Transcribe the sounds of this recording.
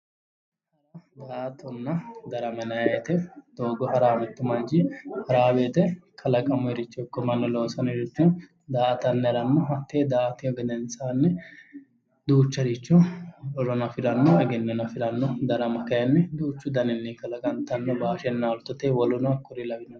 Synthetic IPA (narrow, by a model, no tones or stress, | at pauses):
ɐd̪aːt̪ɔnːɐd̪ɐɾɐmɐnɐet̪ɛd̪̥oːɡɔhɐɾaːmɛt̪ːɛmɐnd͡ʒɪhɐɾaːbeːt̪ɛkʰɐlɐkʼɐmʊɛɾɪt͡ʃːɔkːɔmɐnːɔlo̞ːsɐnɛɾɪt͡ʃːɔ | d̪aːt̪ɐnːɛɾɐnːɔɐt̪ːeːd̪aːt̪ɪɔɡɛd̪ɛnsanːɛ | d̪uːt͡ʃːɐɾɪt͡ʃːɔɔɾɔnɐfɪɾɐnːɔɐɡɛnːɔnɐfɪɾɐnːɔd̪ɐɾɐmɐkɐjɐnːɛd̪uːt͡ʃːʊd̪ɐnɪnːikɐlɐkʼɐnt̪ɐnːɔbaːʃɛnːaːlʊt̪ːɔt̪eːwɔlʊnɐkːʊɾɪlɐɡɪnːɐ